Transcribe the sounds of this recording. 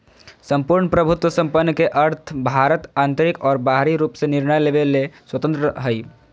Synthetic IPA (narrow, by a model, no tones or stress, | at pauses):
səmpuɾɳəpɾəbʱut̪wəsə̃mpənːkeʔəɾt̪ʰbʱaɾət̪ant̪əɾikɔːɾbaɦɾiɾupsẽniɾnəjlebeleswət̪ə̃nt̪ɾəɦəj